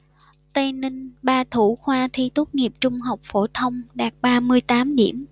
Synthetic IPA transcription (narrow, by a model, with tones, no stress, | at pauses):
t̪ə˧nï˧ŋ̟ɓaː˧t̪ʰu˧˩xwaː˧t̪ʰi˧t̪u˦˥t̚ŋi˨˩əp̚t͡ɕʊ˧ŋ͡mɦa˨˩wk͡p̚fo˧˩t̪ʰə˧wŋ͡mɗaː˨˩k̚ɓaː˧mɨ˧əjt̪aː˨˦mɗḭ˧˩˨əm